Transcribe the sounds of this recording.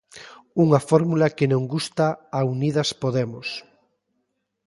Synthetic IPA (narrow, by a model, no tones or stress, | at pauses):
uŋɐfɔɾmulɐkenõŋɡust̪aːunið̞ɐspoðemos